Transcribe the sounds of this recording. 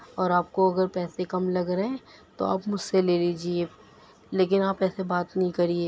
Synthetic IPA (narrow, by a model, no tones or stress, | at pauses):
ɔːɾaːp̚koɐɡəɾpɛːsekɐmlɐɡɾɐɦɛ̃t̪o̰a̰ːpmʊd͡ʒseleːliːd͡ʒie | leːk̬ɪnaːpɛːsebaːt̪nɐɦĩkɐɾieː